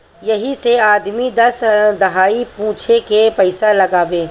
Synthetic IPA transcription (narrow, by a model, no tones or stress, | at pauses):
jɐɦiseaːd̪mid̪ɐsd̪ɐɦaːipũːt͡ʃʰekepɐɪsalɐɡaːʋẽː